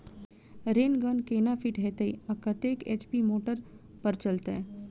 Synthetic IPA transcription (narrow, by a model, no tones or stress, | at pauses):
ɾeːnɡənkeːnafʰiʈɦɛːt̪eḭɐkɐt̪eːkḛːt͡ʃpimoːʈəɾ | pɐɾt͡ʃəlt̪ḛː